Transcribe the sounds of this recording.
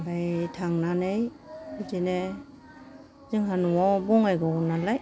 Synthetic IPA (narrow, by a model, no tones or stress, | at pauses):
ɡajtʰaŋnanɯj | bitene | zɯŋɦanuwɔbɔŋajɡɔnalaj